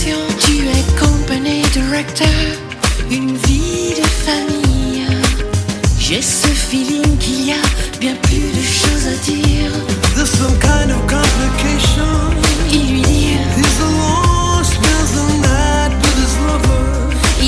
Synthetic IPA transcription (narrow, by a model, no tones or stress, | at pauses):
jɔ̃t̪yɛkʰɔ̃paɲed̪iʁɛk̚t̪ʰə | ynvid̪əfamij | ʒɛsəfilĩŋkʰiliabjɛ̃plyd̪əʃozad̪iʁðəz̥sʌ̃mkʰãɪ̃ndʌv̥kʰɑ̃mplɪkʰeɪʃə̃nilɥid̪i | ðɪzəlɔ | swɛlzə̃nðæ | t̚bʌɾɪzɹʌvə˞